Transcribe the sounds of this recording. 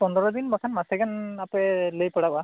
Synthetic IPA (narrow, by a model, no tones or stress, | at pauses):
pɔndɔɹɔd̪inmɔkʰanmasɛɡanapɛlojpɔɽaba